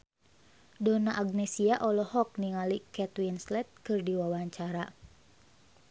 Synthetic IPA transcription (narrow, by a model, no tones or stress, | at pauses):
dɔnaʔaɡ̚nɛsiaʔɔlɔhɔk̚niŋalikɛt̪winslɛt̪̚kɨrdiwawaɲt͡ʃaɾa